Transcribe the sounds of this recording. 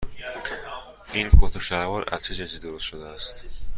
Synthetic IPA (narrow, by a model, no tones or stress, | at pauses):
ʔinpʰot̪ʰoʃæɾvɒɾʔæ̰st͡ʃʰed͡ʒæsid̪oɾost̪ʃod̪eæst̪